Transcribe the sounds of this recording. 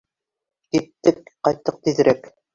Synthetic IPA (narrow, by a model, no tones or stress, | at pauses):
kit̪ːɘk̚qɑjt̪ːɤq̚t̪iðɘ̆ɾʔæk